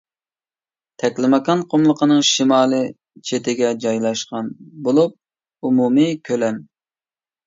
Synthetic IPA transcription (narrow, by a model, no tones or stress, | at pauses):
t̪ʰɛkʲlɪmɑkɑnqʰomlˠəqʰənɨŋʃimɑːlˠɨ | t͡ʃʰet̪ɪɡʲɛd͡ʒɑjlˠɑʃqɑnbolˠup̚ | umumɨkʲʰølɛn